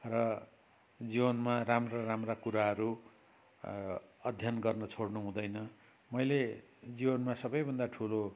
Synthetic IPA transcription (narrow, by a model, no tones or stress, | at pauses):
rʌ | d͡zibʌnmaramraramrakuɾaɦʌɾu | ʌd̪ʱjʌnɡʌrnʌt͡sʰoɽnuɦũd̪ʌjnʌ | mʌjle | d͡zibʌnmasʌbʌjbʱʌnd̪aʈʰulo